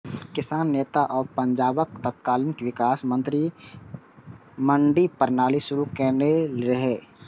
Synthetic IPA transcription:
kɪsaːnːeːt̪aʔɔːɾpə̃ɲd͡ʒaːbəkt̪ət̪̚kaːlɪnkeʋɪkaːsmə̃nt̪ɾi | mə̃ɳɖipɐɾnaːliʃʊɾukɛːneɾɐɦeː

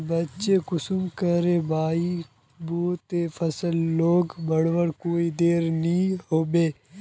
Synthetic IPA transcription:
bətːt͡ʃekʊsʊmkəɾebaːi | boːt̪efʰəsəlːoːɡbəɽʋəɾkoːid̪eːɾnĩɦoːbeː

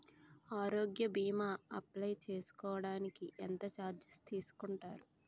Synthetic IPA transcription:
aːɾoːɡjɐbiːmaːɐplɐjt͡ʃe̞ːsu̥kɔːʋɐɽaːnikiʔɛnt̪ɐt͡ʃaːd͡ʒ̪ɐst̪iːsu̥kuɳʈaːɾu

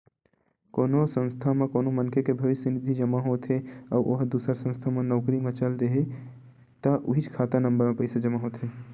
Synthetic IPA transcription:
koːnosə̃nst̪ʰamẽkoːnomənkʰekebʱəʋɪsənid̪ʱid͡ʒəmaɦot̪ʰɦeaʔoɦd̪uːsəɾsə̃nst̪ʰamenɔːkɾimet͡ʃəld̪eɦe | t̪əʔuɦit͡ʃkʰaːt̪anə̃mbəɾmepəɪsad͡ʒəmaɦot̪ɦe

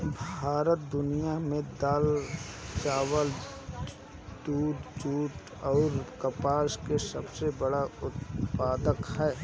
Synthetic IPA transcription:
bʱaːɾət̪̚d̪ʊnijamẽd̪əlt͡ʃaːwəl | d̪uːʈt͡ʃuːʈ | ɔːɾkəpaːskesɐbsebəɽaʊt̪̚paːd̪əkhɛː

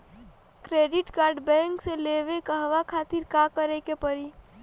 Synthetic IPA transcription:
kɾeɖiʈkaɾɖbɛ̃ŋkseleʋekəɦʋakʰat̪iɾkakəɾɛkepəɾi

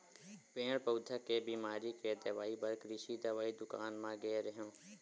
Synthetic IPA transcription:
pẽːɽpəːd̪ʱakeːbiːmaːɾiked̪əʋaːibəɾkɾɪʃiːd̪aʋaːid̪ʊkaːnmãɡɛːɾɦõː

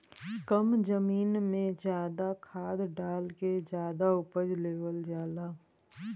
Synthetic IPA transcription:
kəmd͡ʒəmiːnmẽd͡ʒjaːd̪akʰaːd̪ɖaːlked͡ʒjaːd̪aʊpəd͡ʒleːʋəld͡ʒaːlaː

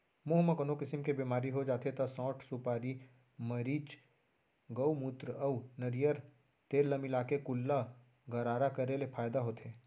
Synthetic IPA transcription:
moɦmɐkənokɪsɪmkebemaːɾiɦod͡ʒaːt̪et̪ɐsɔ̃ːʈsupaːɾi | mɐɾiːt͡ʃ | ɡəumut̪ɾəɐunɐɾijəɾ | t̪eːllɐmɪlaːkekʊlːa | ɡʱɐɾaːɾakɐɾelepʰaːjd̪aɦoːt̪ɦeː

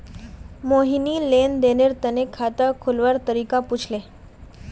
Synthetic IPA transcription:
moɦiniːlend̪eneɾt̪ənekʰat̪əkʰolʋaɾt̪əɾikaput͡sʰle

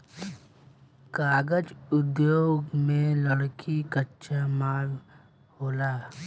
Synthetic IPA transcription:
kaːɡəd͡ʒʊd̪joːɡmẽləɽkikətːʃʰamaːl | hoːlaː

